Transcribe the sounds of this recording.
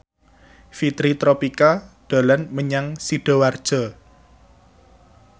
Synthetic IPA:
fit̪ɾit̪ɾopikaɖ̥a̤lanməɲaŋsiɖ̥ɔ̤ward̥ʒ̥ɔ̤

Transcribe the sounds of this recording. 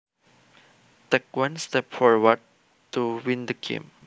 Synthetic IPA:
tɛk̚wãnstɛpfɔɹwəd̚ | tuwĩndəɡḛ̃m

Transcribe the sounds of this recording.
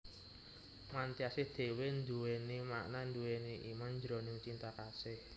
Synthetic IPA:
mant̪iasɪhd̪̥e̤wend̪uwenimaʔnand̪uweneʔimanɲd͡ʒɾo̤niut͡ʃint̪akasɪh

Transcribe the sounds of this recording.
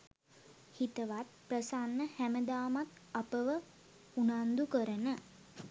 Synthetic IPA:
hit̪əʋat̪̚prəsanːəhæməd̪aːmat̪apəʋə | unand̪ukəɾənə

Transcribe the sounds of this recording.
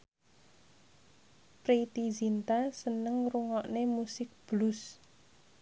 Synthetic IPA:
pɾit̪izint̪asənəŋruŋɔʔnemusɪk̚b̥lus

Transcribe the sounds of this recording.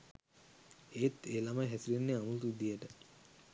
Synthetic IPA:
eːt̪eːlamajɦæsilenːeamut̪ud̪ijəʈə

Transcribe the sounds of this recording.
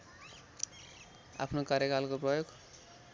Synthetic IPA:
a̰pʰnokaɾjekalkoprʌjoɡ

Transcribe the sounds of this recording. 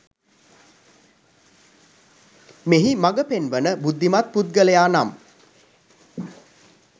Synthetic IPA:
meɦimaɡəpenʋənəbud̪ːimat̪̚put̪̚ɡələjaːnam

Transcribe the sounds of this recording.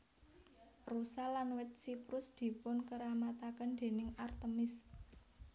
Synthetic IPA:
rusalanwɪt̪̚sipɾʊsd̪̥i̤pʊnkəɾamat̪akənd̪̥e̤nɪŋart̪əmɪs

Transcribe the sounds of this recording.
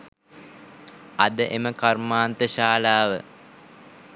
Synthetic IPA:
ɐ̰d̪əʔeməkarmaːnt̪əʃaːlaːʋə

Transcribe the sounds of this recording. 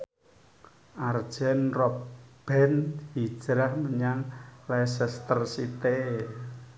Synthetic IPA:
ʔard̥ʒ̥ɛ̤nrɔb̥ɛnhid̥ʒ̥ɾahməɲaŋlɛsɛst̪ərsit̪e

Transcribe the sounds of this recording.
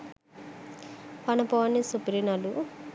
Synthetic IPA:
pɐnɐponisupiɾinɐlu

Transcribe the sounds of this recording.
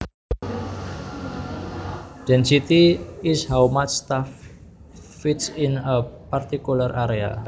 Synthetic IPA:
d̥ɛ̃nsit̪iɪshawmat͡ʃst̪afː | it̪sinəpart̪ikularʔaɾea̰

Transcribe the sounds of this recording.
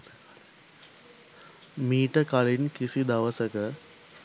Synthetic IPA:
miːʈəkalinkisid̪ɐʋəsəkə

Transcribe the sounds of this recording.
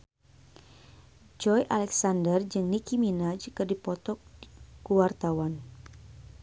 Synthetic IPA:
d͡ʒɔjʔalɛksandərd͡ʒɨŋnikiminad͡ʒkɨrdipɔt̪ɔk̚kuwart̪awan

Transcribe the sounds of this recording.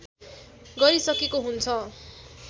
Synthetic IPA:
ɡʌɾisʌkekoɦunt͡sʰʌ

